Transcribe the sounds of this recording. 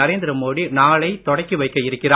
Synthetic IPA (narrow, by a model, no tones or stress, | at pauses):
ɐɾeːnd̪ɪɾɐmoːɽinaːɭɐɪt̪ɔɽɐɪkːɯʋɐɪkːɐjɪɾɯkːɪraː